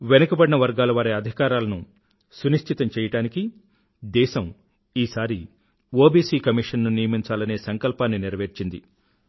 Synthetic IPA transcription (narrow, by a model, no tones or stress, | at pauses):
ʋenɐkɐbɐɽinɐʋɐɾɡaːlɐʋaːɾeɐd̪ʱikaːɾaːlɐnu | suniʂʈ̪ʰit̪ɐmt͡ʃɛːjɐʈaːniki | d̪ɛːʃɐm | iːsaːɾi | o̞ːbiːsiːkɐmiʂɐnːunijɐmiɲt͡ʃaːlɐne̞ːsɐŋkɐlpaːnːiniɾɐʋeːɾt͡ʃind̪ḭ